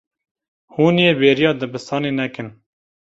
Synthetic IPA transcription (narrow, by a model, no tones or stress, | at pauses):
huːnjeːbeːɾijɑːd̪ɨbɨst̪ʰɑːneːnɛkɨn